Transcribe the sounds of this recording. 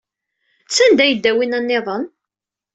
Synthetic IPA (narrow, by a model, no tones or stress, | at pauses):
t͡sːænd̪æjəd̪ːæwinænːeðˤən